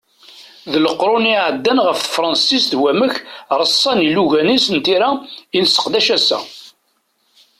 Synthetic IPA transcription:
ðələqːɾˤʊniʕəd̪ːænʁəffɾˤɑnsist̪wæməçɾˤəsˤːɑniluʝænisənt̪iɾæinsə̥qd̪æʃæsæ̰

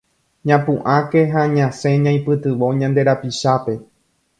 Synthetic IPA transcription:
ɲãpũʔãke̞ɦaɲãsẽ̞ɲãj̃pɨt̪ɨʋo̞ɲãnd̪e̞ɾapiʃape̞

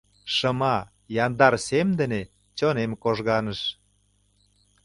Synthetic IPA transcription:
ʃə̆mɑ | jɑnd̪ɑrsemd̪ə̆ne | t͡ɕonemkoʒɣɑnə̆ʃ

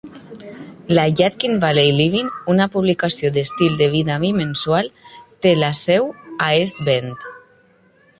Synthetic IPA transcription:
laʎat̪̚kinbalejliβinunapuβlikasjod̪est̪ild̪eβ̞iðaβimenswalt̪elasɛwaest̪bent̪

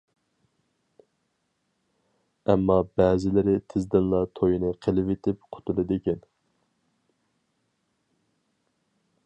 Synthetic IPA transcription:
ɛmːɑbɛːzɪlɪɾɪt̪ʰɪzd̪ɪnlˠɑt̪ʰojinɨqʰelˠɪvet̪ʰɪpqʰʊ̥t̪ʰulˠɨd̪ɪkʲɛn

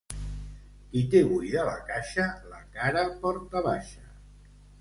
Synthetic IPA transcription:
kit̪eβujðəla̰kaʃəlakaɾəpɔɾt̪aβaʃə

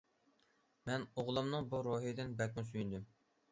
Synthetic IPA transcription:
mɛnoʁlˠɨmnɨŋbuɾoɦid̪ɪnbɛt̪̚mʊs̬yjynd̪ym

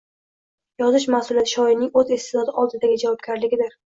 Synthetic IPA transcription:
jɒzɪʃ̬mahsʊlˠijat̪ʰɪʃɒɪnɪŋɵzesɪzɒd̪ɪɒlˠd̪ɪd̪aɡʲɪd͡ʒavɒb̚ɡʲaɾlɪɡʲɪd̪ɪɾ

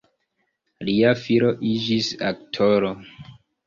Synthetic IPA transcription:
liafiɾo̞ʔid͡ʒisa̰ktʰoɾo

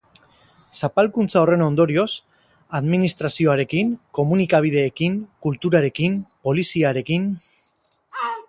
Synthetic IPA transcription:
sapalkunt͡sao̞re̞no̞nd̪o̞ɾio̞s | aðminist̪ɾasio̞aɾe̞kiŋko̞munikaβ̞iðe̞ːkiŋkult̪uɾaɾe̞kimpo̞lisiaɾe̞kin

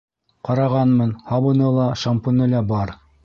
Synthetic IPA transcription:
qɑɾɑʁɑnmɤnhɑβɤ̆nɤlˠɑʃampŏnɤlæbɑɾ

